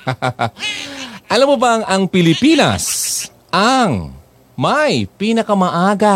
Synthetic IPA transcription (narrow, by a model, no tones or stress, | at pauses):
ʔɐlamːobɐŋɐŋpɪlɪpiːnɐ̰s | ʔɐŋ | mɐjpiːnɐkɐmɐʔaːɡa